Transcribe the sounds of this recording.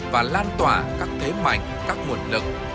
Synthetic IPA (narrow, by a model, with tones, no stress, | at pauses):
vaː˨˩laː˧nt̪waː˧˩kaː˦˥k̚t̪ʰe˨˦ma̰˨˧˩jŋ̟kaː˦˥k̚mu˨˩ən̚lɨ̰˨˩k̚